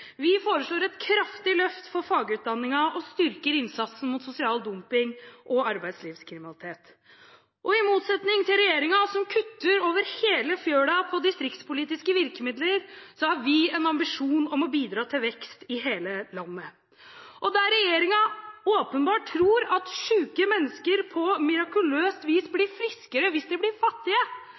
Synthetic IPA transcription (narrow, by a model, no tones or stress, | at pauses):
ʋɪfoːɾəʂɭoːɾɛt̪kʰɾɑft̪ɪlœft̪fɔɾfɑːɡəʉːt̪̚d̪ɑnːɪŋɑɔst̪ʏɾkəɾɪnsɑt̪sn̩mʊt̪sʊsɪɑːld̪ʊmpɪŋʔɔɑɾbæɪd̪sliːʋskʰɾɪmɪnɑlɪt̪ʰeːt̪ | ʔɔɪmuːt̪sɛt̪nɪŋt̪ʰɪlɾɛjeːɾɪŋɑsɔmkʰʉt̪ːəɾoːʋəɾheːləfjøːɖɑpʰɔd̪ɪst̪ɾɪkt̪spʊliːt̪ɪskəʋɪɾkəmɪd̪ləɾsɔhɑɾʋɪɛnɑmbɪʂuːnɔmɔbiːd̪ɾɑːt̪ʰɪlʋɛkst̪ɪɦeːləlɑnːə | ʔɔd̪ɛæɾɛjeːɾɪŋɑoːpənbɑːʈʰːɾuːɾɑt̪ɕʉːkəmɛnːəskəɾpʰɔmɪɾɑkʉløːst̪ʋiːsblɪɾfɾɪskəɾəʋɪsd̪ɛblɪɾfɑt̪ːɪə